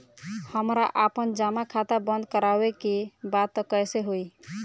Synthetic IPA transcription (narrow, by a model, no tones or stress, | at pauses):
həmɾaʔapənd͡ʒamakʰat̪abənd̪̚ʱkəɾabekebat̪ːɔkəjseɦoj